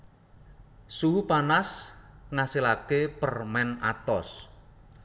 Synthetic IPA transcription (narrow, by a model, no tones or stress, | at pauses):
suɦupanasŋasilakepərmɛna̰t̪ɔs